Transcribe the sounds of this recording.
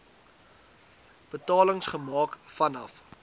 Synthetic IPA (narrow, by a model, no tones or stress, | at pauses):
b̥ətɑːləŋsχəmɑːkfɐnɐ̰f